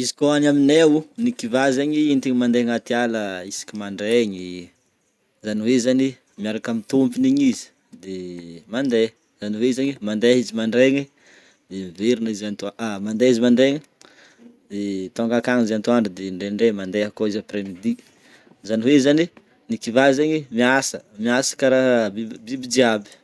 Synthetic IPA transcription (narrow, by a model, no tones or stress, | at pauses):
izi̥koanaminewunikivazaɲiint̪iɲimand̪eŋat̪ialəisi̥kʲimaɳɖ͡ʐeɲi | zaniwezani | miaɾakamint̪umpiniɲizi̥ | d̪emand̪e | z̥aniweizaɲimand̪eɦizimaɳɖ͡ʐeɲi | d̪̥emiveɾinizant̪uamand̪eizimaɳɖ͡ʐeɲi | d̪̥et̪oŋɡakaŋzant̪uaɳɖ͡ʐud̪eɳɖ͡ʐeɳɖ͡ʐemand̪eakoizapremid̪i | zaniwezani | nikivazeɲimiasəmiasə̥kaɾabibibid͡ʒiabi̥